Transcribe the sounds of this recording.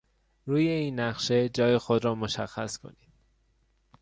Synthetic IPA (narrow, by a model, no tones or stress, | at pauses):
ɾuːje̞iːnːæʁʃe̞d͡ʒɒːje̞xod̪ɾɒːmoʃæxːæskʰo̞̰niːd̪̥